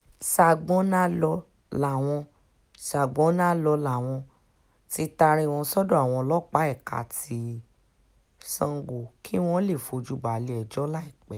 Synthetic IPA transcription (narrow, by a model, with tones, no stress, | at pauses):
sa˨ɡ͡bɔ̃˨˦nã˦lɔ˧ | la˨w̃ɔ̃˧ | sa˨ɡ͡bɔ̃˨˦nã˦lɔ˧la˨w̃ɔ̃˧ | ti˦ta˧ɾ̃ĩ˧w̃ɔ̃˧sɔ˦dɔ̃˦a˦˨w̃ɔ̃˧lɔ˦k͡pa˨˦ɛ˦˨ka̰˧ti˧ | sã˧ŋ˦ɡu˧˨kʰi˦w̃ɔ̃˦le˦˨fo˧˨d͡ʒu˦ba˨˦le˧ɛ˧˨d͡ʒɔ˦la˦i˦˨k͡pɛ˨